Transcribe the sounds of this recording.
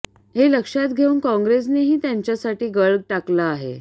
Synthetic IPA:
ɦeləkʂat̪̚ɡʱeuːnkɔ̃ŋɡɾes̬neɦiːt̪jaɲt͡ɕjasaʈiːɡəɭɡ̚ʈaklaːɦḛ

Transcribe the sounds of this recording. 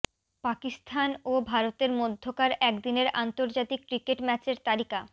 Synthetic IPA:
pakist̪ʰanobʱaɾot̪eɾmod̪ʱːokaɾɛkd̪ineɾa̰nt̪oɾd͡ʑat̪ikkɾikeʈmɛt͡ɕeɾt̪alika

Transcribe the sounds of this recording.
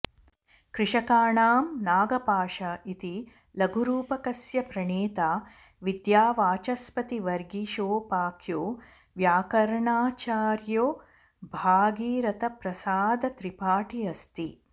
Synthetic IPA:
kɾɪʂɐkaːɳaːmnaːɡɐpaːʂɐit̪i | lɐɡʱuɾuːpɐkɐsjɐpɾɐɳeːt̪aː | ʋid̪jaːʋaːt͡ʃɐspɐt̪iʋɐɾɡiʃoːpaːkʰjoː | ʋjaːkɐɾɐɳaːt͡ʃaːɾjoː | bʱaːɡiːɾɐt̪ɐpɾɐsaːd̪ɐt̪ɾipaːʈiɐst̪i

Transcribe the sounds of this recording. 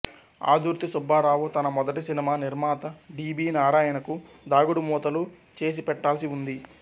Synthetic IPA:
a̰ːd̪ʱuɾt̪isubaːɾaːʋut̪ɐnɐmɔd̪ɐʈisinimaːniɾmaːt̪ɐɖiːbiːnaːɾaːjɐnɐku | d̪aːɡuɽumuːt̪ɐlu | t͡ʃe̞ːs̬ipɛʈːaːlɐsiund̪i

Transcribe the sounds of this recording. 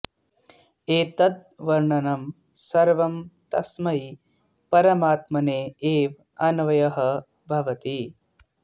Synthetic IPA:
eːt̪ɐd̪̚ʋɐɾɳɐnɐm | sɐɾʋɐmt̪ɐsmɐi | pɐɾɐmaːt̪mɐneːeːʋ | ɐnʋɐjɐɦɐ | bʱɐʋɐt̪i

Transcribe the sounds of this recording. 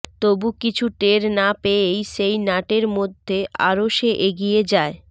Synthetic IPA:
t̪obukit͡ɕʰuʈeɾnapeejʃejnaʈeɾmod̪ʱːeʔa̰ɾoʃeʔeɡijed͡ʑae

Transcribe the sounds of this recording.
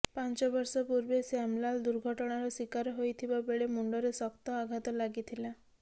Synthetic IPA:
pant͡ʃɔbɔɾsɔpuɾbesamlald̪uɾɡʱɔʈɔɽ̃aɾɔswikaɾɔɦojt̪ʰibabeɭemuɳɖɔɾesɔkt̪ɔaɡʱat̪ɔlaɡit̪ʰila

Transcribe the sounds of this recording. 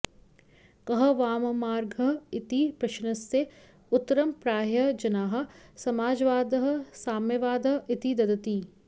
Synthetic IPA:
kɐɦɐ̆ʋaːmmaːɾɡʱɐɪt̪ipɾɐʃnɐse | ʊt̪ːɾɐmpɾaːɦjɐd͡ʒɐnaːɦɐ̆sɐmaːd͡ʒʋaːd̪ɦsaːmjɐʋaːd̪ɐɦɪt̪id̪ɐd̪ɐt̪iː

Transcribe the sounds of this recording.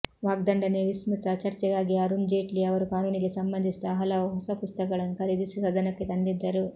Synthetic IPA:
ʋaːɡ̚d̪ɐɳɖɐneːʋismut̪ɐt͡ʃɐɾt͡ʃɐɡaːɡiɐɾund͡ʒeːʈliɐʋɐɾukaːnuːniɡesɐmbɐnd̪ʱist̪ɐɦɐlɐɐɦɐsɐpust̪ɐkɐɭɐnukʰɐɾid̪isisɐd̪ɐnɐkːit̪ɐnd̪id̪ːɐɾu

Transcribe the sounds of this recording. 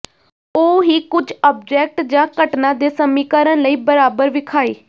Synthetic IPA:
oːɦiːkʊd͡ʒɔːb̚d͡ʒɛːk̚ʈd͡ʒãːkəʈnãːd̪eːsəmiːkaːɾə̃nləiːbəɾaːbəɾʋɪkʰaːiː

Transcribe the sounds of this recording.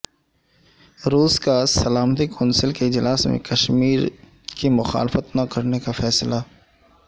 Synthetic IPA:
ɾuːskasɐlaːmt̪ikɔ̃ːnsɪlkeɪd͡ʒlaːsmḛ̃kɐʃmiːɾ | kimʊxa̰ːlɪfət̪nakɐɾnekafɛːsla

